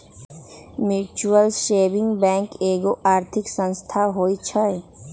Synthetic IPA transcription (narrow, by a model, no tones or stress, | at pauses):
muːt͡ʃuəlʃeːbɪ̃ŋɡbɛ̃ːŋkeːɡoʔaːɾt̪ʰɪksə̃nst̪ʰaɦoit͡ʃʰəe